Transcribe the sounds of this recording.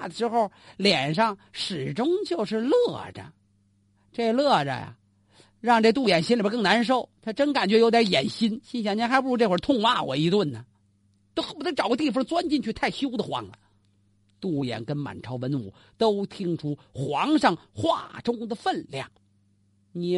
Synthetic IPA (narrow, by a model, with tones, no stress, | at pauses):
d̪ə˩ʂɻ̩˧˥xo˥˧ʊljɛ˨˩nʂɑ˥˩ŋʂɻ̩˨˩ʈ͡ʂʊ˥ŋt͡ɕjo˥˧ʊʂɻ̩˥˧lɤ˥˩ʈ͡ʂə̰˩ | ʈ͡ʂe˥˧˩lɤ˥˩ʈ͡ʂə̰˧˩ja̰˩ | ɻɑ˥˧ŋʈ͡ʂe˥˩t̪u˥˩jɛ˨˩nɕi˥nli˨˩bə˧˥kɤ˥˩ŋna˧˥nʂ̬o˥˩ʊt̪ʰa˥ʈ͡ʂə˥nka˨˩nt͡ɕɥɛ˥jʊt̪jɛ˧˥jɛ̰˨˩nɕi˥nɕi˥nɕjɑ˧ŋni˧˥nxa˧˥ɪp̬u˥˩ʈ͡ʂʰu˧˥ʈ͡ʂe˥˧˩wə˧˥t̪ʰʊ˥˧ŋwa˥˩wɔ̰˨˩i˧˥t̪wə˥˩nnə˩ | t̪o˥ʊ˥˩pu˧˩na˥ʈ͡ʂɑ˨˩ʊɡə˧t̪̬i˥˩fɑ˥ŋt͡swa˥nt͡ɕi˥˧nt͡ɕʰy˥˧t̪ʰa˥˩ɪɕjo˥ʊd̪ə˨xwɑ̰˧˥ŋlə̰˨ | t̪u˥˩jɛ̰˨˩nkə˥nma̰˨˩nʈ͡ʂʰɑ˧˥ʊwə˧˥nu˨˩˦ | t̪o˥ʊt̪ʰi˥ŋʈ͡ʂʰu˥ | xwɑ˧˥ŋʂɑ˥˩ŋxwa̰˥˩ʈ͡ʂʊ˥ŋd̪ə˨fə˥˧nljɑ̰˥˩ŋ | ni˨˩